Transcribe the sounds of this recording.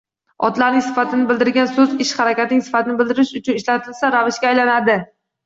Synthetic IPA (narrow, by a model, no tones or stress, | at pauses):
ɒ̰t̪laɾnɪŋsɪ̥fat̪ʰɪnɪbɪld̪ɪɾɡʲansɵzɪʃχaɾakʲat̪ɪnɪŋsɪ̥fat̪ʰɪnɪbɪld̪ɪɾɪʃʊt͡ʃʰʊnɪʃlat̪ʰɪlsaɾavɪʃkʲaːjlanad̪ɪ